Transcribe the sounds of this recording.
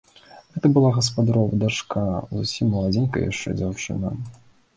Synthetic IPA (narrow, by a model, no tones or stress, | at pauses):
ɣɛt̪ɐbɨlˠaɣɐs̬pad̪aɾɔvɐd̪aʂkauzusʲimːɐlˠad͡zʲinkɐ̰ja̰ʂt͡ʂɛ̰d͡zʲawt͡ʂɨ̰nɐ